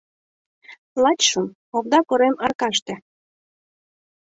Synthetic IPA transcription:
lˠɑt͡ɕʃəm | oβd̪ɑkoɾemɑrkɑʃt̪ĕ

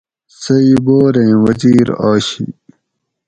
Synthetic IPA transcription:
sɐiboːɾẽːwɐziːɾaːɕḭ

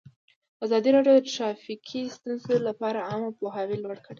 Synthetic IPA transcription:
azɑd̪iɾɑɖjod̪əʈɾɑfikʰist̪unzolapɑɾaɑmapoɦɑwilwaɽkəɽe

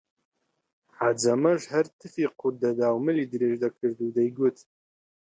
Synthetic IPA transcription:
ħad͡zɐmɐʒhɐɾt̪ʰɨfiqʊd̪ɐd̪aːwmɨlid̪ɨɾeːʒd̪ɐkʰɨɾd̪ud̪ɐjɡʷʊt̪ʰ

